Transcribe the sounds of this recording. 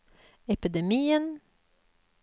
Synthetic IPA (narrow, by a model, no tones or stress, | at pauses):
ɛpɪd̪ɛmiːən